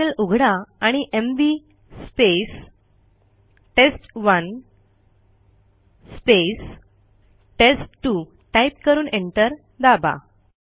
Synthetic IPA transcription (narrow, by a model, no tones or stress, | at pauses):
əluɡʱɽaaɽ̃iʔembi | spes | ʈesʈʋən | spes | ʈesʈʈːu | ʈaip̚kəɾuːneɳʈəɾ | d̪aba̰